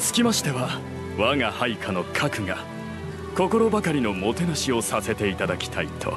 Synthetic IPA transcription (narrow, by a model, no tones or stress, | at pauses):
sɨ̥kʲimaɕi̥t̪e̞βa | βaŋahaikʰano̞kʰakɯ̟ŋa | ko̞ko̞ɾo̞bakaɾʲino̞mo̞t̪e̞naɕio̞sase̞t̪e̞it̪ad̪akʲi̥t̪ʰait̪ʰo̞̰